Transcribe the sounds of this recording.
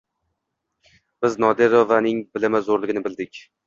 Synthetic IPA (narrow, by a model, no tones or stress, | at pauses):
b̥ɪznɒd̪eɾovanɪŋbɪlɪmazoɾlɪɡʲɪnɪbɪlˠd̪ɪkʲ